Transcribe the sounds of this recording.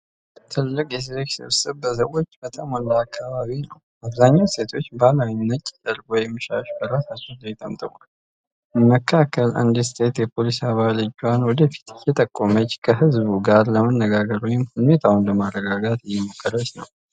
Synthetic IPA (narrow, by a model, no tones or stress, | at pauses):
t̪ʰɨlːɨkʼjɛs̬zeksɨ̰βsɨβbəs̬əwo̞t͡ʃːbət̪ʼamwɔlːaːkʰːaβaβinəw | ʔaβzaɲːawse̞t̪ʰo̞t͡ʃːbalawiɲnːət̪ʼːɛd̪əɾɡwɔjɛmːɨʃaʃbəɾasat͡ʃːɛnləjɛt̪ʼə̰mt̪ʰʼəwal | məkʰːakʰːəlʔa̰nd̪ist̪ʼʰe̞t̪jɛpʰo̞lisaβalɨd͡ʒːwanwɔd̪əfi̥t̪ʰɪjɛt̪ʼəkʼːomət͡ʃːkʰəɦɨzbuɡaɾləmənːəɡaɡəɾwɔjɪmhulme̞t̪ʰaunləmarːəɡaɡat̪jːɛmokʰːəɾət͡ʃːnəw